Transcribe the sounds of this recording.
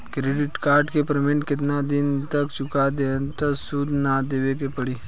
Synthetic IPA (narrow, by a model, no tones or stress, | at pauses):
kɾeːɖɪʈkaːɾɖkepɾəmɪ̃ɳʈkɪt̪nad̪ɪnt̪əkt͡ʃʊkad̪ent̪əsud̪nad̪eːʋekepəɽiː